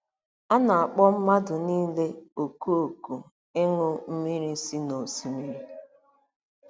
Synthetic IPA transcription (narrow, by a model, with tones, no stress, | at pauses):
a˦na˨a˨k͡pɔ˦m̩˦ma˦dʊ˨niː˦le˦o˨ku˦o˨ku˨ | ɪ˦ŋʊ˦m̩˦mi˦ɾi˦si˦no˨si˦mi˦ɾi˦